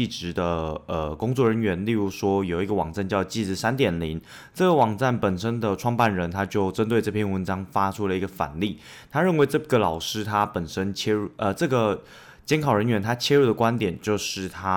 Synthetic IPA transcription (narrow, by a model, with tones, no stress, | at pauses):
i˥˩ʈ͡ʂɻ̩˧˦d̪ə˧ə˩kʊ˥ŋt͡swɔ˥˩ɻə˧˥nɥɛ˧˥nli˥˩ɻu˧˥ʂwɔ˥jo˨˩ʊi˧ɡə˨˧wɑ˨˩ŋt͡sa˥˧nt͡ɕjɑ˥˧ʊt͡ɕi˥˩t͡sɻ̩˥˩sa˥nt̪jɛ˨˩nli˧˥˦n | ʈ͡ʂɤ˥˩ɡə˩wɑ˨˩ŋt͡sa˥˩npə˨˩nʂə˥nd̪ə˨ʈ͡ʂʰwɑ˥˧ŋpa˥˩nɻə˧˥nt̪ʰa˥t͡ɕjo˥˩ʊʈ͡ʂə˥nt̪we˥˧ɪʈ͡ʂɤ˥˧pʰjnwə˧˥nʈ͡ʂɑ˥ŋfa˥ʈ͡ʂʰu˥lə˨i˧˥ɡə˧fa̰˨˩nli˥˩ | t̪ʰa˥ɻə˥˩nwe˧˥ɪʈ͡ʂɤ˥˩˧ɡə˨lɑ˨˩ʊʂɻ̩˥t̪ʰa˥pə˨˩nʂə˥nt͡ɕʰjɛ˥ɻu˥˩ʔə˧˩ʈ͡ʂɤ˥˩ɡə˩ | t͡ɕjɛ˥nkʰɑ˨˩ʊɻə˧˦nɥɛ˧˥nt̪ʰa˥t͡ɕʰjɛ˥ɻu˥˩d̪ə˩kwa˥nt̪jɛ˨˩nt͡ɕjo˥˧ʊʂɻ̩˥˩t̪ʰa˥